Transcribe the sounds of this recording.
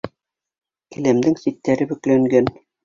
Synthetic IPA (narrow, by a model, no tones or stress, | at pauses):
kɘ̆læmd̪ɘŋsit̪ːæɾɘbɵ̆klæŋɡæn